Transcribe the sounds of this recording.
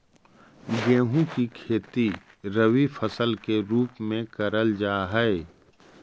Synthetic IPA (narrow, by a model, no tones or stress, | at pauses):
ɡẽːɦũkikʰeːt̪i | ɾəwifʰəsəlkeɾuːpmẽkɐɾəld͡ʒaːɦɛe